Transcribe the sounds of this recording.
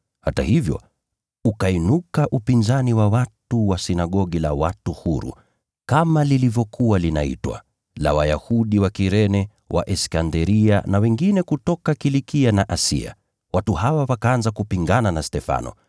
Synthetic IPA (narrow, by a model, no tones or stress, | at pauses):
hata̰hivjɔ̰ | ukainukaʔupinzaniwawatuwasinaɠɔɠilawatuhuɾṵ | kamalilivjɔkʰuwalina̰ḭtwa̰ | la̰wajahuɗiwakiɾɛnɛ | wʔa̰ʔɛskandɛɾianawɛŋɡinɛkutɔkakilikianaʔasḭa̰ | watuhawawakaanzakupiŋɡananastɛfa̰nɔ̰